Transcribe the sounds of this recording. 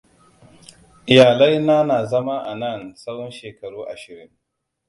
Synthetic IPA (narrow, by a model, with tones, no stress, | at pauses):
jaː˨la˦jna˦naː˨zɐ˦ma˦ʔa˨nɐ˦˨nsa˦wɔ˦nʃeː˨kɐ˨ɽuː˦ʔa˨ʃɪ˨ɾɪ˦ŋ